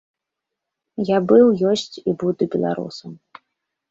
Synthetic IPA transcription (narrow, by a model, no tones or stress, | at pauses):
jabɨwjɔsʲt͡sʲibud̪ubʲɛlˠa̰ɾṵsɐm